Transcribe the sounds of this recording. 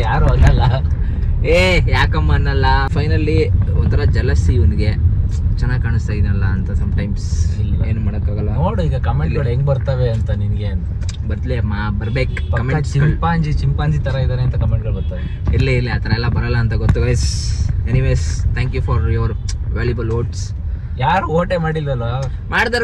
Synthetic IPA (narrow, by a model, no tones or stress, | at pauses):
jaːɾuaːɡɐlːɐ | eːjaːkɐmːanːɐlːɐpʰɐjnɐlːiɔnt̪ʰɐɾɐd͡ʒɛlɐsiond̪iɡe̞t͡ʃɛnːaːɡ̚kaːɳist̪aːjd̪inɐlːɐːnt̪ɐsɐmʈɐjmsleːnumaːɽɐkːaːɡɐlːɐnoːɽuiːɡɐkɐmeʈlɡɐɭeŋɡbɐɾt̪aʋeɐnt̪ɐninɡeɐnt̪ɐbɐɾt̪leɐmːabɐɾbeːk | pɐkɐmet͡ʃikmpaːɲd͡ʒit͡ʃimpaːɲd͡ʒit̪ɐɾɐid̪aːɾeɐnt̪ɐkɐmeɳʈ̚ɡɐɭbɐɾt̪aʋe | ilːeilːiɐt̪ʰɐɾɐɛlːɐbɐɾɐlːɐːnt̪ɐɡot̪ːuɡajseniʋeːst̪ʰɛːŋkjufɔɾjɔʋɾʋeːljɐbɐloːʈs | jaːɾuoːʈemaːɽilːɾɐlʋɐ | maːɽd̪aːɾ